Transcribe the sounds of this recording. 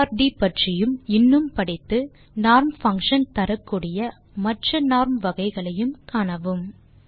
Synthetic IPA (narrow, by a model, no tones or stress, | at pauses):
ɾɖipɐʈrɪjɯmɪnːɯmpɐɽɐɪt̪ːɯ | naːɾmfɐŋkʂɐnt̪ɐɾɐkːuːɽɪjɐ | mɐʈrɐnaːɾmʋɐɣɐɪɣɐɭɐjɯmkaːnɐʋɯm